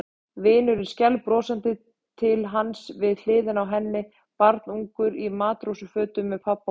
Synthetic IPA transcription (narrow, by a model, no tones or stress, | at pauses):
vɪːnʏɾɪɾscɛlpɾɔːsant̪ɪ | t̪ʰɪlɦansvɪðl̥ɪːðɪnawɦɛnːɪ | paɾt̪nuŋkʏɾimaːt̪ɾowsʏfœːt̪ʏmːɛðpʰapːa